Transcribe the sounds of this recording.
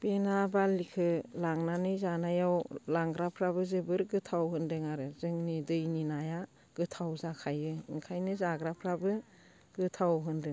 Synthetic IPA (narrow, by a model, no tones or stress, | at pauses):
penabalikʰɯlaŋnanɯjzanajawlaŋɡɾapʰɾabɯzɯbɯɾɡɯtʰawɦɯndɯŋaɾɯzɯŋnidɯjninaja | ɡ̥ɯtʰawzakʰajɯiŋkʰajnɯzaɡɾapʰɾabɯ | ɡ̥ɯtʰawɦɯndɯŋ